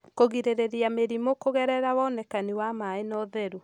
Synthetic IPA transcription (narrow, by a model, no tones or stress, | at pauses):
koɣiɾeɾeɾiameɾimokoɣɛɾɛɾawɔnɛkaniwamaenɔðɛɾu